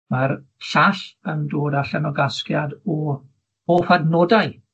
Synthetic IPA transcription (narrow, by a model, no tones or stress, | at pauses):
marɬaɬəndoːdaɬɛnɔɡaskjadɔ | hoːfadnɔdaj